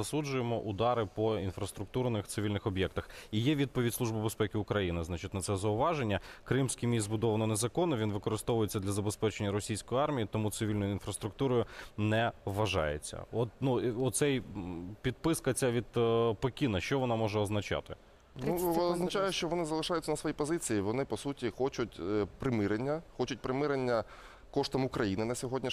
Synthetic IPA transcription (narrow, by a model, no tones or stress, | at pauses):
ɐsud͡ʒʊjemɔʔʊd̪ɑɾɪpɔinfɾɐst̪ɾʊk̚t̪urnɪxt̪sɪʋʲilʲnɪxɔbʲjɛk̚t̪ɐxijɛʋʲid̪̚pɔʋʲid̪ʲsˠuʒbɪbespɛkʲɪʊkɾɐjinɪznɑt͡ʃɪtʲnɐt̪sɛzɐʊʋɑʒenʲːɐkɾɪmsʲkijmʲiszbʊd̪ɔʋɐnɔnezɐkɔnːɔʋʲinʋɪkɔɾɪst̪ɔʋʊjet͡sʲːɐd̪lʲɐzɐbespɛt͡ʃenʲːɐɾɔsʲijsʲkɔjiɑrmʲijit̪ɔmut̪sɪʋʲilʲnɔjʊinfɾɐst̪ɾʊk̚t̪uɾɔjʊnɛʋːɐʒɑ̰jḛt͡sʲːɐ̰ɔt̪̚nuɔsɛjpʲid̪̚pɪskɐt͡sʲːaʋʲid̪pɔkʲinɐʃt͡ʃɔʋɔnɑmɔʒɛɔznɐt͡ʃɑ̰t̪ɪ | nuɔznɐt͡ʃajɛʃt͡ʃɔʋɔnɪzɐlˠɪʃɑjʊtt͡sʲːɐnɐsʋɔjipɔzɪt͡sʲijiʋɔnɪpɔsutʲixɔt͡ʃʊtʲpɾɪmɪɾenʲːɐxɔt͡ʃʊt̚ʲpɾɪmɪɾenʲːɐ | kɔʃt̪ɔmʊkɾɐjinɪnɐsʲɔɦɔdʲnʲi